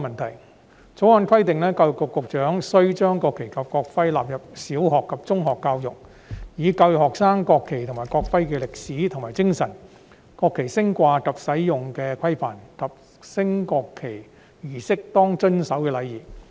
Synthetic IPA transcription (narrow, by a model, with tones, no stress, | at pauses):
mɐ˨nt̪ʰɐ˨˩j | t͡so˨˥wɔː˨˧nkʰɐ˥jt̪ɪ˨ŋlɛː˥kaː˧wjʊ˨kːɔː˧kːʊ˨k̚t͡ʃœː˨˥ŋsɵ˥ɥt͡ʃœː˥ŋkɔː˧kʰːe˨˩jkɐ˨p̚kɔː˧k̚fɐ˥jla̰ː˨p̚jɐ˨p̚siː˨˥wɦɔː˨kʰːɐ˨p̚t͡sʊ˥ŋɦɔː˨kːaː˧wjʊ˨k̚ | jiː˨˧kaː˧wjʊ˨khɔː˨ksaː˥ŋkɔː˧kʰːe˨˩jt̪ʰʊ˨˩ŋmaː˨˩jkɔː˧k̚fɐ˥jkɛː˧lɪ˨k̚siː˨˥t̪ʰʊ˨˩ŋmaː˨˩jt͡sɪ˥ŋsɐ˨˩n | kɔː˧kʰːe˨˩jsɪ˥ŋkʷaː˧kɐ˨p̚sɐ˨˥jjʊ˨˩ŋkɛː˧kʷʰɐ˥jfaː˨˩nkɐ˨p̚ | sɪ˥ŋkɔː˧kʰːe˨˩j | jiː˨˩sɪ˥k̚t̪ɔː˥ŋt͡ʃɵ˥nsɐ˨˥wkɛː˧lɐ˨˧jiː˨˩